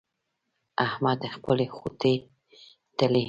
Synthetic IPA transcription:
ahmad̪əxpəlexot̪e | t̪əle

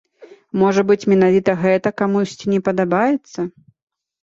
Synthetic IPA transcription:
mɔʐɐbɨt͡sʲmʲɛnavʲit̪ɐɣɛt̪ɐkamusʲt͡sʲinʲɛpɐd̪abajɛt̪sːɐ

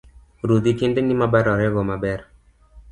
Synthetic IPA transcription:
ɾud̪ikindenimabaɾɔɾɛɡɔmabɛɾ

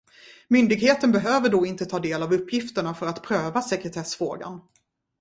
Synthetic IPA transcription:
mʏnd̪ɪɡheːt̪ənbɛɦøːvəɖɔɪnt̪ət̪ʰɑːd̪eːlavɵpːjɪft̪əɳafœɾat̪pʰɾøːvasɛkɾɛt̪ʰɛsfɾoːɡa̰n

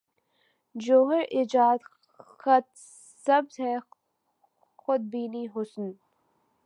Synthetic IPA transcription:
d͡ʒoːɦəɾʔɪd͡ʒaːd̪ | xɐt̪̚ | sɐbzhɛ | xʊd̪̚biːniːɦʊsn

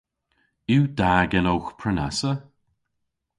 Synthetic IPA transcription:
iwd̪aːɡənowxpʰɹəna̰sə

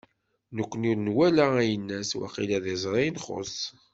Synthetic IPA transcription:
nəkʷːənuɾnwælææjənːæswa̰qilæðezˤɾˤijnχo̰s

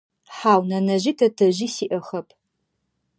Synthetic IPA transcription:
ħaːwnɐnɐʒitʰɐtʰɐʒisiʔɐχɐpʰʼ

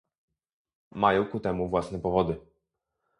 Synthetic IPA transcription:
majɔ̃w̃kut̪ɛmuvwasn̪ɛpɔvɔd̪ɘ

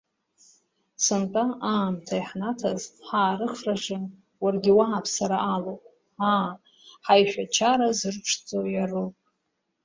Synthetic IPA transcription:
sɨntʼaʔaːmtʰajħnatʰazħaːɾɨχraʒɨn | warɡʲɪwaapʰsaɾaʔːlopʼ | aː | ħajʃᶣat͡ʃʰaɾazɨrʈ͡ʂʰt͡sʼojarupʼ

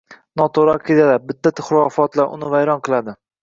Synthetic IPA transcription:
nɒt̪ʰoɾɒkʲʰet̪ad̪abɪt̪ʰːat̪ʰɪχʊɾɒfɒt̪laɾʔʊ̰nɪvajɾɒnqʰɨlˠad̪ɪ

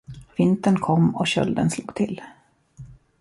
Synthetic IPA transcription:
vɪnt̪ənkʰɔmːɔɕœ̰ld̪ənsluːɡ̚t̪ʰɪl

